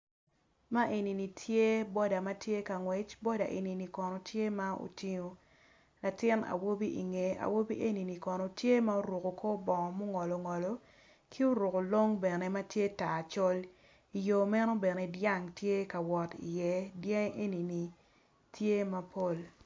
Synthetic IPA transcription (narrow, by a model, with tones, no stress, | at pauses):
ma˦ʔe˨ni˨ni˨tʰje˦bɔ˦da˨ma˦tje˦ka˨ŋwe˨t͡ʃbɔ˦da˨ʔe˨ni˨ni˨kɔ˨nɔ˨tje˦ma˦o̰˨ti˦ɲo˨ | la˨tɪ˦na̰˨wo˦bi˦ʔḭ˨ŋe˨a̰˨wo˦bi˦ʔe˦ni˨ni˨kɔ˨nɔ˨tje˦ma˦o˦ɾu˨ko˨kʰo˦bɔ˨ŋɔ˨mo˦ŋɔ˨lɔ˨ŋɔ˨lo˨ | kʰi˦o˦ɾu˨ko˨lo˦ŋbɛ˨ne˨˦ma˦tje˦ta˨t͡ʃɔ˦l | i˨jo˨mɛ˦no˦bɛ˨ne˨dja˦ŋtje˦ka˨wɔ˨tḭ˨jɛ˨djɛ˦ŋ˦ʔe˦ni˨ni˨ | tʰje˦ma˦pʰo˦˨l